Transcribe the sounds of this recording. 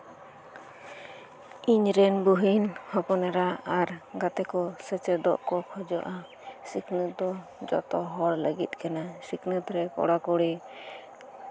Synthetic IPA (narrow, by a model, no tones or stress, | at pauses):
iɲɾɛnbuɦinhɔpɔnɛɾaaɾɡat̪ɛkɔsət͡ʃɛd̪ɔ̰ʔkɔkʰɔd͡ʒɔʔa | siknət̪̚d̪ɔ | d͡ʒɔ̰t̪ɔɦɔɾləɡḭt̪̚kɛnasiknət̪ɾɛkɔ̰ɽakuɽi